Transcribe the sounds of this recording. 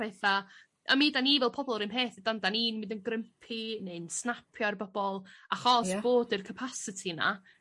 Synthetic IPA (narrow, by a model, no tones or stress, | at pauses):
eθa | ʔa̰miːdaniːvɛlˠpʰɔbɔlˠɾɪmɦeːθɪdandaniːnmɪndənɡrəmpʰinensnapʰjɔrbɔb̥ɔlˠaχɔsb̥oːdɨrkʰəpʰasɪtʰina̰